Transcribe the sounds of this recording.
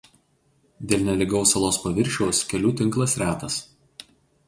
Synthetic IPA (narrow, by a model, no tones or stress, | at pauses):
d̪ʲeːlʲnʲɛlʲɪɡɒʊsɐlˠoːspɐʋʲɪɾʲʃʲɛʊskʲɛlʲuːt̪ʲɪŋˑklˠɐsɾʲæːt̪ɐs